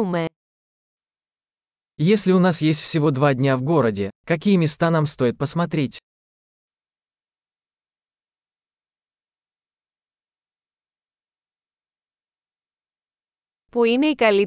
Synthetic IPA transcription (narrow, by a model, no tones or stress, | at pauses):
ume | jesʲlʲɪʊnasjesʲtʲfsʲɪvo̞d̪vadʲnʲavɡo̞ɾədʲɪkɐk̬ʲijəmʲɪst̪anamst̪o̞ɪt̪̚pəsmɐt̪ɾʲetʲ | puine̞ikɐli